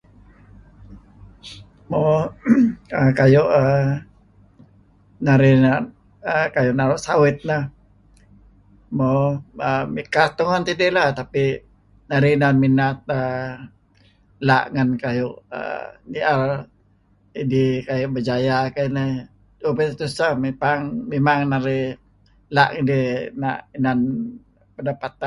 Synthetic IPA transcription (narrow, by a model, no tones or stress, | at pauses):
mo | əkajʊʔə | naɾina | əkajʊʔnaɾʊʔsawɪt̪̚nah | moəmikat̪oŋant̪idɪʔlat̪api | naɾinanminat̪̚a | la̰ʔŋankajʊʔə̰niar | idikajʊʔbəd͡ʒajakanə | t̪opət̪usamepaŋmemaŋnaɾi | laʔŋidina̰ʔinan | pədapat̪a